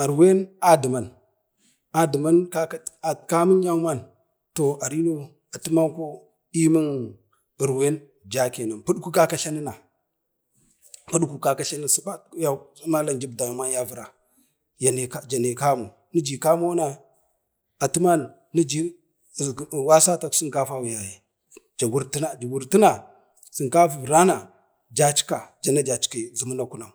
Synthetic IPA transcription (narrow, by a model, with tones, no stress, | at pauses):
a˨ɾwe˦na˨di˨ma˨n | a˨di˨ma˦nka˦a˨ka˦mə˦n˦ja˦ma˦n | to˨a˨ɾi˦no˦ | a˨tu˦ma˦nko˦ | i˦mi˦n | i˨ɾwe˦n | d͡ʒa˦ke˨na˨npu˦ɗku˦ka˦ka˦ɬa˦ni˦na˨ | pu˦ɗku˨ka˨ka˦ɬa˦ni˦su˦ba˦ja˦˨˦ma˦la˨nd͡ʒi˦b̚da˨ma˦nja˦vu˨ɾa˨ | ja˨ne˨ka˦d͡ʒa˨ne˨ka˦mu˨ | ni˦d͡ʒi˨ka˦mo˦na˦ | a˨tu˦ma˦nː˨i˦d͡ʒi˦˨ | wa˦sa˦ta˦ksi˦ka˦fa˦wu˨ja˨je˨ | d͡ʒa˨ɡu˦ɾti˦na˨d͡ʒa˨wu˨ɾti˦na˨ | si˨ŋka˦fu˨vɾa˦na˨ | d͡ʒa˦t͡ʃi̥˦ka˨d͡ʒa˨na˦d͡ʒa˨t͡ʃi̥˦ka˨zu˨mu˦na˦ku˦na˨